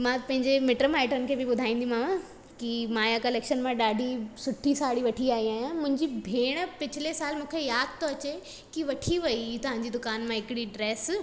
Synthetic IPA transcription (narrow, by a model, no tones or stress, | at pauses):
mãːpɐ̃ɦɪ̃ɲd͡ʑemɪʈɾəmaːɪʈənɪ̆kʰeːbɪɓʊd̪ʱaːĩːnd̪ijũmãːma | kimaːjakɐleːkʃənmãɗaːɖʱisʊʈʰisaːɽiʋɐʈʰiaːɦiaːɦijãmʊ̃ɦɪ̃ɲd͡ʑibʱeːɽ̃pɪt͡ɕʰɪlesaːlmũːkʰejaːd̪̚ʱt̪ʰoɐt͡ɕe | kiʋɐʈʰiʋɐit̪ɐʋ̤ãːɲd͡ʑiːd̪ʊkaːnmãɦɪkɪɽiɖɾeːs